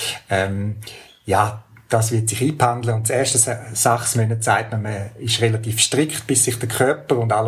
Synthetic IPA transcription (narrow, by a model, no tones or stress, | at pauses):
ɛm | jaːd̥aːsvɪɐtsɪχiːpʰandləʊntt͡sɛːɐʃtəsaχsmœnət͡saɪtnəməɪʃʁelatiːfʃtʁɪkχtb̥ɪssɪχd̥əkʰœɐpəɾʊndal